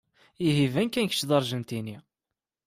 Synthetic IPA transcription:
iɦivænkːænçə̥t͡ʃːd̪ˤɑɾˤʒənt̪ini

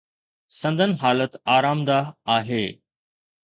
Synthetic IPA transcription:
sɐ̃nd̪ʱənɪ̆ɦaːlət̪aːɾaːmd̪aaːɦeː

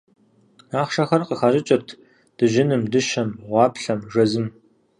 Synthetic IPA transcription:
aːχʃɐχɐrqəxaːʑɪt͡ʃʼɐrtʰ | d̥ɨʒɪnɨmdɨʃɐmʁʷɑːpɬɐmʒɐzɨm

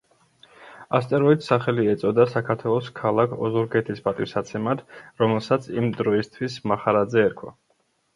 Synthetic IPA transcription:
ast̪ʼɛɾɔidt̪saχɛliɛt̪sʼɔd̪asakʰaɾt̪ʰwɛlˠɔskʰalˠakʰɔ̰zuɾɡɛt̪ʰispʼat̪ʼiwsat̪sʰɛmad̪ɾɔmɛlˠsat̪sʰimd̪ɾɔist̪ʰwismaχaɾad̪zɛːɾkʰwa̰

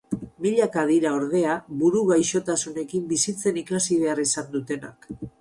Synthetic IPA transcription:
miʎakað̞iɾaoɾðe̞aβuɾuɣajʃo̞t̪asune̞kimbisit͡se̞nikasiβe̞arisand̪ut̪e̞na̰k

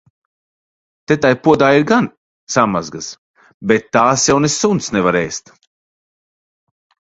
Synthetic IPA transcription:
t̪et̪ajpuɔd̪aːiɾɡan | sama̰zɡas | bet̪ːaːsjawnesunt̪snɛvaɾejst̪

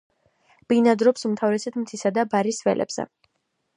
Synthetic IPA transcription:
b̥inad̪ɾɔpsumt̪ʰavɾɛsɛt̪mt̪sʰisad̪abaɾisvɛ̰lʔɛ̰b̥z̥ɛ̰

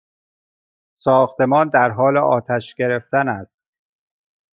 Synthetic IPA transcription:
sɒːxt̪e̞mɒːnd̪æɾɦɒːleʔɒ̰ːt̪ʰæʃɡ̥e̞ɾe̞ft̪ænæst̪̚

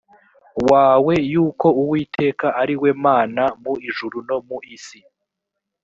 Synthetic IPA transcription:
waːwe̞juːko̞uwiːtʰe̞ːkaʔaɾiwe̞ːmaːnamuiʒuɾuno̞muʔisi

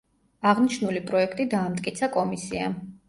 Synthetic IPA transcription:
aʁniʃnulipʼɾɔɛkʰt̪ʼid̪aːmt̪ʼkʼit̪sʰakʼɔmisia̰

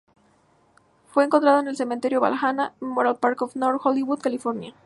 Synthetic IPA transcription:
fwe̞eːŋkont̪ɾaðoenelse̞ment̪e̞ɾjo̞βa̰lxanaenmoɾalpaɾkofnoɾxoliβuðkalifoɾnja

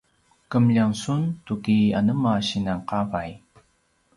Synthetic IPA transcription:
kəmʎaŋsuntukia̰nəmaɕinaŋqavaj

